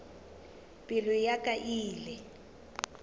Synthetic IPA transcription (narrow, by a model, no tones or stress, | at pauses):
pʼɪlʊjakʼaʔiːlɛ